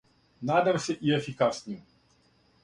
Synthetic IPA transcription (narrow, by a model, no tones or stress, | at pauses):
nad̪aɾsɛʔiefikasnʲim